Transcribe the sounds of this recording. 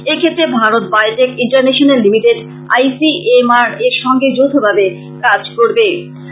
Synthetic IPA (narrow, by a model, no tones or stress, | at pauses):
ekʰet̪ːɾebʱaɾot̪̚bajʈekiɳʈaɾneʃonelːimiʈeɖ | a̰jsiemaɾeɾʃɔŋɡed͡ʑot̪ʰːobʱabe | kad͡ʑkoɾbe